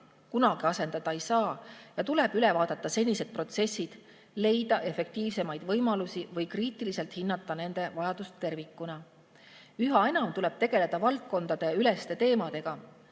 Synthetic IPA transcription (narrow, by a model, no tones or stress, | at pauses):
kunɑɡ̥iɑse̞nd̪̥ɑd̪̥ɑejsɑːjɑt̪ule̞b̥yle̞vɑːd̪̥ɑt̪ˑːɑse̞nʲːise̞d̪̚pro̞t̪se̞sːid̪̥ | le̞jd̪̥ɑʔe̞fe̞k̚t̪iːvse̞mɑjd̪̥vɤjmɑlusivɤjkriːt̪ˑilise̞lt̪hinːɑt̪ˑːɑne̞nd̪e̞vɑjɑd̪̥ust̪ːe̞rvikːˑunɑ | yɦɑe̞nɑmt̪ule̞b̥t̪e̞ɡ̥e̞le̞d̪̥ɑvɑlt̪̚ko̞nd̪̥ɑd̪̥e̞yle̞st̪e̞t̪e̞ːmɑd̪̥e̞ɡ̥ɑ